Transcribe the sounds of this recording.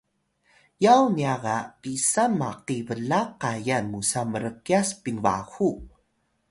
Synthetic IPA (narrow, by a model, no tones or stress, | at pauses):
jawniaɣapisanmaqivəlaqajanmusaməɾəkiaspiŋva̰xu